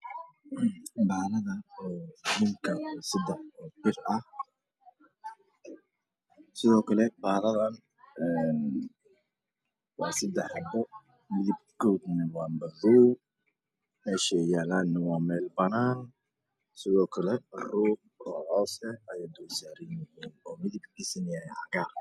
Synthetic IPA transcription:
baːlɐðɐː | nɪŋkʰɐsɐd̪ɛħbɔd͡ʒɪrɐh | sɪðɔːkʰɐlɛbaːðɐðɐn | ɛːn | wɑːsɐd̪ɛħbɔ | mɪðɪb̚kɔːd̪nɐwɑːmbɐðuː | mɛːʃɛjaːlaːd̪nɐwɑːmɛːlbɐnaːn | sɪðɔːkʰɐlɛruːb | ɔ̰ːhɔːsɛɐjad̪ɔwsaɾɪnjɛnɔːmɪðɪb̚kɪsɪnɪɛʕɐɣaː

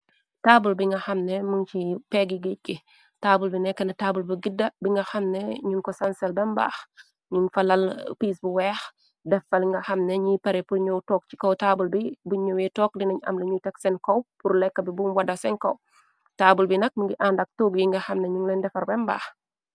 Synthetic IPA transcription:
taːbulbiŋɡɐxɐmnɛmuŋt͡ʃipɛɡiɡic̚ki | taːbulbinɛkːɐnɐtaːbulbiɡidːɐbiŋɡɐxɐmnɛɲunkɔsansɛlbɛmba̰ːx | ɲunfɐlɐlpiːsbuwɛːx | dɛfɐlŋɡɐxɐmnɛɲipɐɾɛpuɲowtɔːk̚t͡ʃi̥kɔwtaːbulbibuɲuwitɔːk̚dinɐɲɐ̰mlɐɲutɛksɛnkowpuɾlɛkːɐbibunwɐdɐsɛŋkow | taːbulbinɐk̚məŋɡiʔaːndɐk̚tuːɡiŋɡɐxɐmnɛɲuŋlɛndɛfɐɾbɛmba̰ːx

